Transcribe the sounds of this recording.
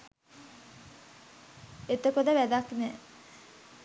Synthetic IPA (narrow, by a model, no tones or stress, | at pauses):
et̪əkod̪əʋæd̪akne